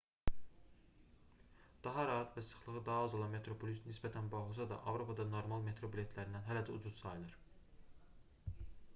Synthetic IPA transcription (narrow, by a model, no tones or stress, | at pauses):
d̪̥ɑɦɑɾɑɦæt̪væsɯ̥χlˠɯʁɯd̪ɑɦɑɑzolˠɑnme̞t̪ʰɾo̞pʰolʲisnisbæt̪ʰænbɑːɣlˠɯs̬ɑd̪ɑ̰ʔɑvɾo̞pʰɑd̪ɑno̞ɾmɑlˠme̞t̪ɾo̞bilʲe̞t̪ʰlæɾind̪ænɦælæd̪æud͡ʒuz̥sɑjlˠɯɾ